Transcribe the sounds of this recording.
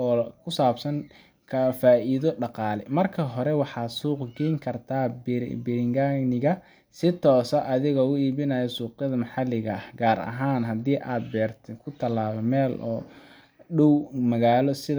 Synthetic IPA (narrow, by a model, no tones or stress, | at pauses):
ɔːkʰʊsaːbsɐŋ | kʰɐfaːʔiðɔɖɑqɑːlɛmɐrkʰɐɦɔɾɛwɑħɑːsuːqɡɛjŋkʰɐrt̪ʰaːbbɪɾɪŋɡanɪɣɐ | sɪt̪ʰɔːsɐʔɐðɪɣɔːʊiːβɪnɐjɛsuːqjɐðɐmɑħɑlɪɣɐhɡaːɾɐ̰ɦaːnɦɐd̪iːʔaːd̪̚bɛːrt̪ʰɛkʰʊt̪ʰɐlːaːβɔmɛːlɔː | ɖɔwmɐɣaːlɔsɪ